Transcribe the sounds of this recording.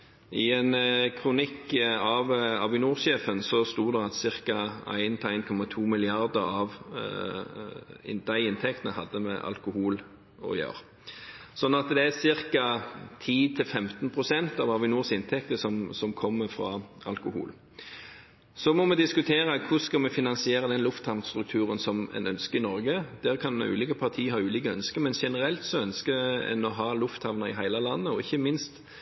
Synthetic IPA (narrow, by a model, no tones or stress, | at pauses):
ʔɪɛnkʰʁʊnɪkːɑʋɑʋɪnuːʁʃeːfənsɔst̪uːd̪ɛɑt̪sɪɾkɑæ̰ɪnt̪ʰɛæɪnkʰɔmɑt̪ʰuːmɪlɪɑʁd̪əɾɑʋ | d̪æɪɪnt̪ʰɛkt̪ənəhɑd̪ːəmɛ̰ʔɑ̰lkʊhuːl | ɔ̰jø̰ːɾ | sɔnːɑt̪d̪ɛæsɪɾkɑt̪ʰiːt̪ʰɪlfɛmt̪npʰʁʊsɛnt̪ɑʋɑʋɪnuːʁsɪnt̪ʰɛk̚t̪əsɔmsɔmkʰɔmːəfɾɑɑ̰lkʊhṵːl | sɔmɔmɛd̪ɪskʉt̪ʰeːɾəkʰʊskɑmɛfɪnɑnsɪeːɾəd̪ɛnlʊft̪hɑʋnst̪ɾʉkt̪ʰʉːʁənsɔmɛ̰nœnskəɾɪnɔɾɡəd̪̥ɛːʁkʰɑnʉ̰ːliːkəpʰɑʁt̪ʰiːəhɑːʉːliːkəœnskəmɛnʃɛnəɾɛlt̪sɔœnskəɛ̰nɔɦɑːlʊft̪hɑʋnɑɪɦæɪlɑlɑnːəɔɪçːəmɪnst̪